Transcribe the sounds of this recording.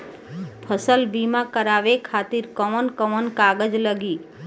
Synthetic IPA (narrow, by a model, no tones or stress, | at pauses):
pʰəsəlbimãkəɾaʋekʰat̪iɾkəʋənkəʋənkaɡəd͡ʒləɡi